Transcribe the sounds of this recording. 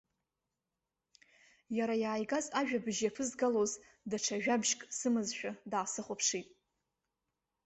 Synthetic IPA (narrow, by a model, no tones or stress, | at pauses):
jaɾajaːjɡazaʒᶣabɨʒjapʰɨzɡaloz | daʈ͡ʂʰaʒᶣabʒkʼsɨmɨzʃᶣadaːsɨχʷʊpʰʂitʼ